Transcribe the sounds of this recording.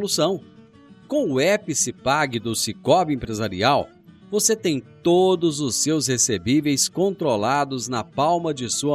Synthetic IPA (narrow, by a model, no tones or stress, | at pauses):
lusɐ̃w̃ | kõw̃ʊɛpɪsɪpaɡɪd̪ʊsikɔbɪẽpɾezaɾḭaw | voset̪ẽj̃t̪od̪ʊzʊsewshesebivejskõnt̪ɾolad̪ʊznɐpawmɐd͡ʒɪsuɐ